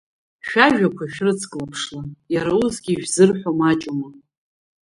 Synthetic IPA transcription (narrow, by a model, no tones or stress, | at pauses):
ʃᶣaʒᶣakʷʰaʃᶣrɨt͡sʰkʼlapʰʂlajaɾawuzɡʲiːʒᶣzɨrħʷomat͡ʃʼoma